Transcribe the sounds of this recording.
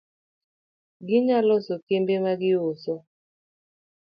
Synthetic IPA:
ɡɪɲalɔsɔkembemaɡɪosɔ

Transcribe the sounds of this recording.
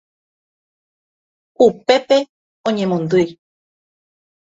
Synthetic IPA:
upe̞pe̞ | õɲẽmõnd̪ɨj

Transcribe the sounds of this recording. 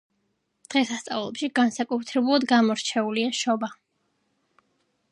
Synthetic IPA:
d̪̥ʁɛsast̪sʼa̰vlˠɔpʃiɡansakʼut̪ʰɾɛbulˠad̪ɡamɔɾt͡ʃʰɛuliaʃɔba

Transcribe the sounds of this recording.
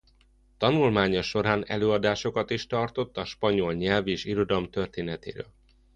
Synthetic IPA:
t̪ɒnulmaːɲɒʃːo̞ɾaːnɛ̰løːɒd̪aːʃo̞kɒt̪iʃt̪ɒrt̪o̞t̪ːɒʃpɒɲo̞lɲɛlveːʃiɾo̞d̪ɒlmt̪ørt̪eːnɛt̪ḛːɾø̰ːl

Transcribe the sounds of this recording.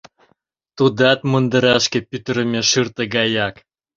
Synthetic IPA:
t̪ud̪ɑt̪̚mənd̪ə̆ɾɑʃkĕpyt̪əɾəmʲeʃɯrt̪əɡɑjɑk

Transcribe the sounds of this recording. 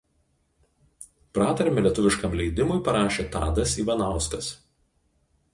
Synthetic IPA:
pɾɑːt̪ɐɾʲmʲɪlʲiɛt̪ʊʋʲɪʃkɐmlʲɛɪd̪ʲɪmʊɪpɐɾɑːʃʲeːt̪ɑ̰ːd̪ɐsiːʋɐnɑˑʊskɐs

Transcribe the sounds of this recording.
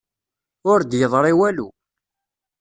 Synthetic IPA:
ʊɾd̪jəðˤɾˤɪwælu

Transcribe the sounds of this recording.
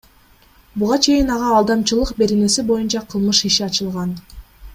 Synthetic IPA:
buʁɑt͡ʃʰe̞jinɑʁɑːlˠd̪ɑmt͡ʃɯlˠɯqbe̞ɾe̞ne̞sibo̞junt͡ʃɑqʰɯlˠmɯʃiʃiɑt͡ʃɯlˠʁɑn

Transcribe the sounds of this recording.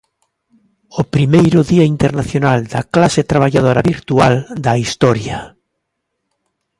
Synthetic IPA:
opɾimejɾʊðiaint̪eɾnaθjonald̪ɐklaset̪ɾaβ̞aʎað̞oɾa̰βiɾt̪uald̪ɐist̪ɔɾja

